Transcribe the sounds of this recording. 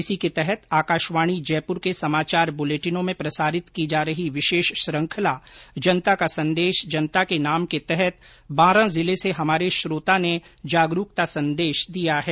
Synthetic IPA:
ɪsiket̪ɛɦɛt̪aːkaːʃʋaːɽ̃id͡ʒɛːpʊɾkesɐmaːt͡ʃaːɾbʊleːʈɪnõmẽpɾɐsaːɾɪt̪kid͡ʒaːɾɐɦiʋɪʃeːʃʃɾə̃ŋkʰəlad͡ʒɐnt̪akasɐ̃nd̪eːʃd͡ʒɐnət̪akenaːmket̪ɛɦɛt̪̚ | baːɾãzɪleseɦɐmaːɾeʃɾoːt̪aned͡ʒaːɡɾukt̪asɐ̃nd̪eːʃd̪ijaɦɛː

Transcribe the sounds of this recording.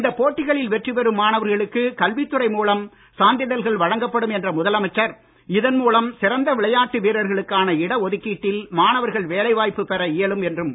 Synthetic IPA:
ɪnd̪ɐpːoːʈːɪɣɐɭɪlʋɛʈrɯʋɛɾɯmːaːnɐʋɐɾɣɐɭɯkːɯkɐlʋɪt̪ːɯrɐɪmuːlɐm | saːnd̪ɪjɐðɐlɣɐɭʋɐɻɐŋɡɐpːɐɽɯmɛndrɐmʊðɐlɐmɐɪt͡ʃːɐɾ | ɪðɐnmuːlɐmsɪɾɐnd̪ɐʋɪɭɐjaːʈːɯʋiːɾɐɾɣɐɭɯkːaːnɐɪɽɐɔðɯkːiːʈːɪlmaːnɐʋɐɾɣɐɭʋeːlɐɪʋaːjpːɯpɛɾɐɪjɐɭɯmɛndrɯm

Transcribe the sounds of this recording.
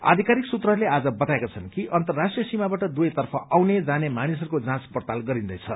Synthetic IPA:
a̰d̪ʱikaɾiksut̪rʌɦrlead͡zʌbʌt̪aekat͡sʰʌnkiʔʌnt̪ʌrːasʈrijʌsimabaʈʌd̪ujt̪ʌrpʰʌʔawned͡zanemanisʌɾukod͡zãt͡spʌrt̪alɡʌɾind̪ʌjt͡sʰʌ

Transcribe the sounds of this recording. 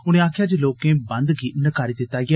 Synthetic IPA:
ʊñẽːaːkʰjaːd͡ʒeːloːkẽːbənd̪ɡiːnəkaːɾiːd̪ɪt̪ːaːie

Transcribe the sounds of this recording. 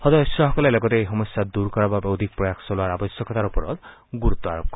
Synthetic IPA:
hɔd̪ɔjɔsɔɦɔkɔlelɔɡɔt̪eeɦɔmɔsjad̪uɾkɔɾababeɔd̪ʱik̚pɾɔjakʰsɔloaɾabɔsjɔkɔt̪aɾupɔɾɔ̰d̪ | ɡuɾut̪ːɔa̰ɾɔb̚kɔ

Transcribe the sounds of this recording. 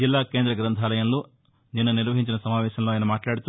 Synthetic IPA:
d͡ʒilːaːkeːnd̪ɾɐɡɾɐnt̪ʰaːlɐjɐnlːu | niːnːuniɾʋɐɦiɲt͡ʃinɐsɐmaːʋɛːʃɐɐlːujɐnumaːʈlaːɽit̪u

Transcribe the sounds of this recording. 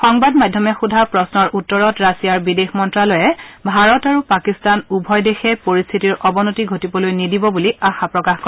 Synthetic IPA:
xɔŋbadmadʱjɔmɛxudʱapɹɔsnɔɹʔutːɔɹɔtɹasijaɹbidexmɔntɹalɔjɛbʱaɹɔtaɹupakistanubʱɔjdexɛpoɹist̪ʰitiɹʔɔbɔnotiɡʱotibɔlojnidibɔbuliaxapɹɔkaxkɔ

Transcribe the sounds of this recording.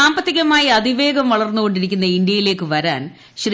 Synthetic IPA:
aːmbɐt̪ːiɣɐmaːjɐɐd̪ʱiʋe̞ːɡɐmʋɐɭɐrnːuɣo̞ɳɖiɾikʲːunːɐind̪jɐjile̞ːkːɨʋɐɾa̰ːn | ɕr

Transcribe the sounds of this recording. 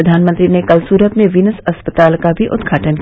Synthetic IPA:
ɐd̪ʱaːnmə̃t̪ɾinekɐlsuːɾət̪mẽʋinəsɐspət̪aːlkabʱiʔʊd̪ɡʱaːʈənk

